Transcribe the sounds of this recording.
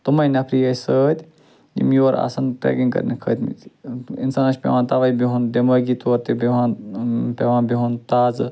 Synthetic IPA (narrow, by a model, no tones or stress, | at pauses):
t̪umɐjnʲɐpʰɾiɐsəːt̪ʲ | jḭmiʋɐɾa̰ːsɐnʈɾɛ̰ːkĩŋkɐ̰ɾnikʰə̰ːt̪mḭt̪ḭnsaːnɐt͡ʃʲpʲḛʋãnt̪aʋajbiɦund̪emɐɡit̪oːɾt̪ebeʋãːnpeʋãːnbiɦunt̪aːz